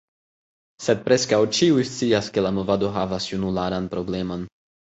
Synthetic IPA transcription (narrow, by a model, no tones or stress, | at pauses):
sed̚pɾe̞skawt͡ʃiujst͡siaske̞lamo̞vado̞ɦavasjunulaɾanpɾo̞ble̞mo̞n